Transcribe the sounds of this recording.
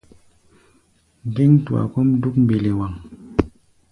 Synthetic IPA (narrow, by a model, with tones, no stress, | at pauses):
ŋ˨de˦ŋtu˨a̰˨ko˦m˦du˦k̚m˨bi˨le˨wa˨ŋ